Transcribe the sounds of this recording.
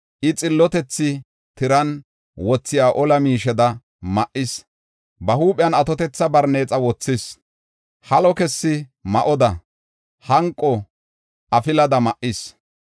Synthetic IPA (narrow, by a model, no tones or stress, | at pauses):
ʔɪt͡sʼɪlːɔt̪ɛt͡sːɪ | t̪ɪɾɐn | wɔt͡sːɪjaːʔɔlɐmiːʃɛd̪ɐ | mɐʔɪs | bɐhuːpʼɪjɐnɐt̪ɔt̪ɛt͡sːɐbɐɾneːt͡sʼɐwɔt͡sːɪs | hɐlɔkɛsːɪmɐʔɔd̪ɐ | hɐŋkʼːɔ | ʔɐfɪlɐd̪ɐmɐʔːɪs